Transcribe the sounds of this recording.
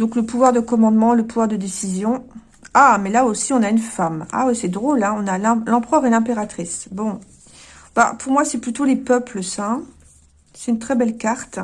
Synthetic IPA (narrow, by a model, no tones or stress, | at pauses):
d̪ɔ̃kləpuvwaʁd̪əkɔmɑ̃d̪mɑ̃ləpuvwaʁd̪əd̪esizjɔ̃ | amɛlaosiɔ̃naynfama̰wisɛd̪ʁolɛ̃ɔ̃nalɛ̃lɑ̃pχœʁɛlɛ̃peʁat̪χisbɔ̃ | ba̰puʁmwasɛplyt̪olepœpləsɛ̃ | sɛ̥t̪ynt̪χɛbɛlkaʁt̪